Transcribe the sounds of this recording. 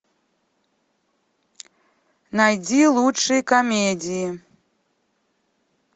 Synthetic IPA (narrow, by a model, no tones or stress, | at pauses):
najd͡zʲilˠut͡ʂːɨjkamʲedʲiji